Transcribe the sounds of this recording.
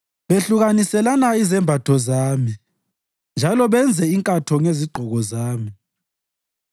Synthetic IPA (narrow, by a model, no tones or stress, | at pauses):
βeɬuɣanisɛlanaizɛmbʱatʰɔzaːmi | nd͡ʒʱalɔβɛnd͡zʱɛiŋkʼatʰɔŋeziɡ͡ǃʱɔɣɔzaːmi